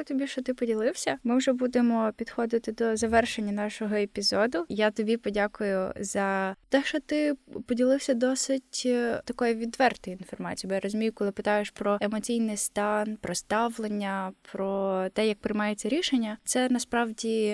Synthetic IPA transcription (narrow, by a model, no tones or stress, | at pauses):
t̪ɔbʲiʃt͡ʃɔt̪ɪpɔdʲilˠɪwsʲɐmɪwʒɛbud̪emɔpʲid̪xɔd̪ɪt̪ɪd̪ɔzɐʋɛrʃenʲːɐnɑʃɔɦɔepʲizɔd̪ʊjat̪ɔbʲipɔdʲakʊjʊ̰zɐt̪ɛʃt͡ʃɔt̪ɪpɔdʲilˠɪwsʲɐd̪ɔsɪtʲt̪ɐkɔjiʋʲid̪ʋɛrt̪ɔjinfɔrmɑ̰t͡sʲijbɔjaɾɔzʲʊmʲijʊkɔlˠɪpɪt̪ɑjeʃpɾɔemɔt͡sʲijnɪjst̪ɑnpɾɔst̪ɑʋlˠenʲːɐpɾɔt̪ɛjɐk̚pɾɪjmɑjet͡sʲːɐɾʲiʃenʲːɐt̪sɛnɐspɾɑwdʲi